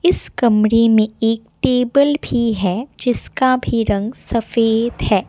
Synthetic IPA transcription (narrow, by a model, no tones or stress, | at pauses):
ɪskɐmɾemẽeːk̚ʈeːbəlbʱiɦɛːd͡ʒɪskabʱiɾɐ̃ŋɡsɐfeːd̪ɦɛː